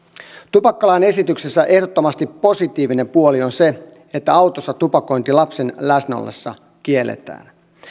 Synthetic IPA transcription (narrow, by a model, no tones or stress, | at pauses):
t̪upɑkːɑlɑjne̞sit̪ykse̞sːæʔe̞hdot̪ːomɑst̪ipːo̞sit̪iːʋine̞mpuolio̞nse̞ | et̪ːæɑwt̪osːɑt̪upɑko̞jnt̪ilɑpse̞nlæsnæo̰lːe̞̰sːɑ̰ | kielːḛt̪æ̰ːn